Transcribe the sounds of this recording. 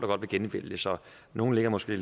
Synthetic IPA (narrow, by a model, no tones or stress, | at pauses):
d̥ɑɡɒ̽d̥ʋe̝ɡenʋ̥el̰d̥esɒ̽ | no̝ːn̩le̝ɡ̥ɐmɒ̽sɡ̥e̝̰ːl